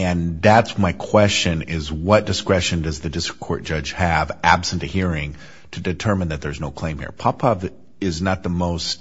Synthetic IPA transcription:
ɨ̃nðætsmaɪkʰw̥ɛst͡ʃɨ̃nɪzwʌt̚d̥ɨskɹɛʃɨ̃ndʌzðɨdɪstɹ̥ə̥kʰɔɹt̚d̥ʒ̥ʌ̥ʒ̥ɨvʔæb̥sɨ̃n̩tɨhiɹɪ̃ŋ | tʰɨdɨtʰɜ˞mɨ̃nðɨt̪̚ðə˞znoʊkʰl̥ẽɪ̃mhḭɹpʰɑpʰɑv | ɪznət̪̚ðəmoʊst

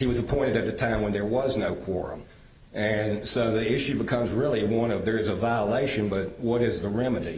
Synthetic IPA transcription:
hiwʌzəpʰɔ̃ɪ̃ɾ̃ɨɾɨt̪̚ðɨtʰãɪ̃mwə̃nðə˞wʌznoʊkʰw̥ɔɹɨ̰̃m | ɨ̃nsoʊðiɪʃʉbɨkʰʌ̃mzɹɪlˠiwʌ̃ñʌvðə˞ɨzəvaɪəleɪʃɨ̃nbʌt̚wʌɾɨzðəɹɛmɨɾḭ

